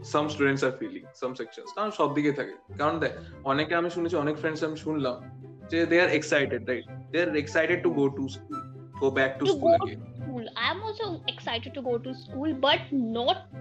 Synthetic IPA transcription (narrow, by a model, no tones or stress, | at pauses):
sɐ̃msʈuːɖə̃ɳʈsaːɾfiːlɪ̰̃ŋsɐ̃msɛkʃə̰̃nskãʃɔːb̚d̪iɡet̪ʰaɡḛkãɳʈ̚d̪ɛʈ | ɔːnekaːmẽʃuːnet͡ʃʰiɔːneːkfɾɛ̃ɳɖseamʃuːnlãd͡ʒed̪eːaɾeksaɪʈeɖɾaɪʈ̚d̪eaɾeksaɪʈeɖ̚ʈuɡoːʈuskuːl | ɡoːbɛːk̚ʈukɡuoɐɡḛːnkuːlãɪə̃mɔːlsoeksaɪʈɪɖ̚ʈuɡoːʈuskuːlbɐʈnɔːʈ̚